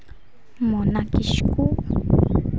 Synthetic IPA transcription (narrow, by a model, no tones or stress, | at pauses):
monakɪʃku